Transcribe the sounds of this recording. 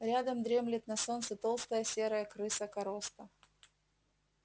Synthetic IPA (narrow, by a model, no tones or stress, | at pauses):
ɾʲad̪əmd̪ɾʲe̞mlʲɪt̪̚nɐso̞nt̪sɨt̪o̞lˠst̪əjəsʲeɾəjəkɾɨsəkɐɾost̪ə